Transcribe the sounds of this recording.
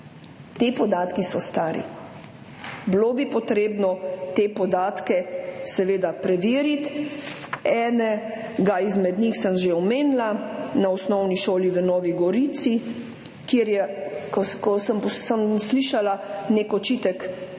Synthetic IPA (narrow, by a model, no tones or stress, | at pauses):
t̪epɔd̪aːt̪kisɔst̪aːɾḭ | blobipɔt̪ɾeːbnɔt̪epɔd̪aːt̪kɛsɛʋeːd̪apɾɛʋiːɾit̪ | ɛːnɛ | ɡaizmɛd̪ɲixsəmʒeɔmeːnlanaɔsnɔwniʃoːliʋənɔːʋiɡɔɾiːt̪si | kjeɾjɛkɔkɔsəmpɔsəmsliʃalaneːkɔt͡ʃit̪ək